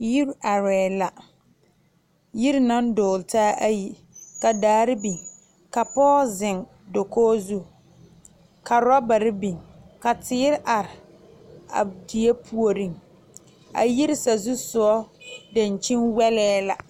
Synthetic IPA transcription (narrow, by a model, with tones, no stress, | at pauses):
ji˦ɾʔa˨ɾɛː˨la˨ | ji˦ɾna˦n˦dʊː˨ltaː˦ʔa˦ji˨ | ka˨daː˨˦ɾɪ˦bi˨ŋ | ka˨pɔː˦zɪ˨ŋ | do˨koː˦zu˦ | ka˨ɾa˦ba˨ɾɪ˦bi˨ŋka˨tɪː˦ɾʔa˨ɾɪ˨ | a̰˨di˨e˦pʰu˦o˨ɾĩ˦˨ŋ | a̰˨ji˦ɾɪ˦sa˨zu˦sʊ˨ɔ˦da˨n˨t͡ʃɪ˦nwɛ˦lɛː˦la˨